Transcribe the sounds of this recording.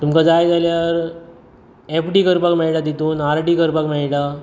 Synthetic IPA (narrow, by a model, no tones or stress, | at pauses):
t̪umkad͡zajd͡zaljaɾ | epɖiːkəɾpakmɛɭʈad̪it̪uːnaɾʈiːkəɾpakmɛɭʈa